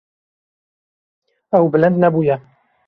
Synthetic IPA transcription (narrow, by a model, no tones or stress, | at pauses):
ɛwbɪlɨnd̪nɛbuːjɛ